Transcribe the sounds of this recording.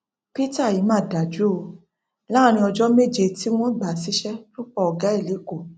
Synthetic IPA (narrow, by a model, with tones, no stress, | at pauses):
pi˦ta˦˨ji˨˦mãː˦˨da˨d͡ʒu˨˦o˧ | la˦˨ɾ̃ĩ˧ɔ˧d͡ʒɔ˦me˦d͡ʒe˧ti˦w̃ɔ̃˦ɡ͡ba˨si˨˦ʃɛ˦lo˦k͡pɔ˧ɔ˧ɡa˦e˦˨li˨˦ko˦˨